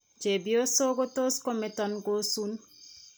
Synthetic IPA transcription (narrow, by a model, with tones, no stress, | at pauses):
t͡ʃe˨bi˦o˦so˦ko˦to˦sko˦mɛ˨tɔ˨nɡo˦su˦n